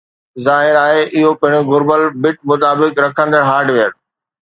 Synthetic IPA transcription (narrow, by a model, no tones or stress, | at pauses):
zaːɦɪɾaːɦeʔɪɦopɐɦɪɽ̃ɡʊɾbəlbɪʈ̚mʊt̪aːbɪkɾɐkʰə̃nd̪əɽɦaːɾɖʋeəɾ